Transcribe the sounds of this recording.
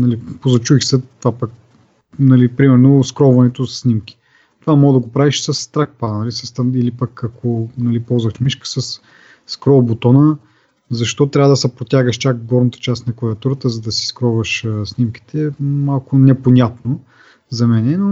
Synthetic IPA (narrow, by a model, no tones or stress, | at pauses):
nɐlipozɐt͡ʃuixsət̪vapək | nɐlipɾimɛɾnoskɾɔvɐnɛt̪ossnʲimkʲi̥ | t̪ovamɔd̪ɐɡopɾaviʃsɐst̪ɾak̚panɐlisɐst̪ilipəkakʰonɐlipɔlˠzvɐʃmiʃkə̥sɐsː | kɾɔbot̪ɔnə | zɐʃt̪ɔt̪ɾʲavəd̪ɐsɛpɾot̪ʲjaɡəʃt͡ʃakɡɔɾnɐt̪ə̥t͡ʃast̪nɐkʊɾɛɐt̪uɾət̪əzɐd̪ɐsi̥skɾɔvəʃsnimki̥t̪ʰɛmalˠkʊnɛponʲat̪no | zɐmɛnɛno